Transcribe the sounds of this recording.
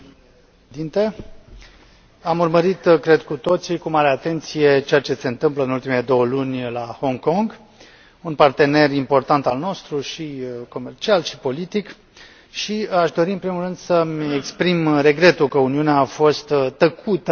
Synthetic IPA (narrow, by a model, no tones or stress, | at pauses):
d̪int̪e̞ | amurməɾit̪kɾe̞d̪kut̪o̞t̪sikumaɾe̞at̪e̞nt̪sije̞t͡ʃe̞jat͡ʃe̞se̞ɨnt̪ɨmpləɨnult̪imele̞d̪o̞wəlunʲlaho̞ŋko̞ŋɡ | unpart̪e̞ne̞rimpo̞rt̪ant̪alno̞st̪ɾuʃiko̞me̞rt͡ʃialʃi̥po̞lit̪ik | ʃiaʃd̪o̞ɾiɨnpɾimulrɨnd̪səmʲekspɾimre̞ɡɾe̞t̪ukəuniuneaːfo̞st̪ːəkʰut̪ə